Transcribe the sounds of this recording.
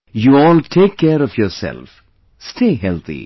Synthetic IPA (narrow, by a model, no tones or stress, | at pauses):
juːɔːlʈʰeːkʰːeːɾɔfjɔːɾsɛ̰lf | sʈʰeːɦɛlt̪ʰḭ